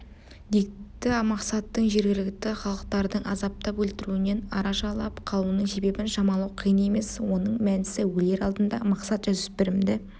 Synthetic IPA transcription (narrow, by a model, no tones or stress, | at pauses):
d̪ikt̪ːɪmɑqsɑt̪ːəɴʒɪɾɡʲɪlɪk̚t̪ɪχɑlˠəq̚t̪ɑɾd̪əɴɑzɑp̚t̪ɑpwɵlt̪ɪɾuɪne̞nɑɾɑʃɑlˠɑpqʰɑlˠunəɴse̞be̞bɪnʃɑmɑlˠɑwqʰijəne̞me̞swo̞nəɴmænɪsɪwɵle̞ɾɑlˠd̪ənd̪ɑ̰mɑqsɑt̪ʒʏzɪspɪɾɪmd̪ɪ